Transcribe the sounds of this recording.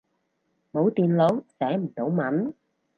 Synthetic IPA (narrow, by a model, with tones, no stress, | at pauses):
mo˨˥wt̪i˧nlo˨˥wsɛː˨˩˥m̩˨˩t̪o˨˥˦wma˨˥n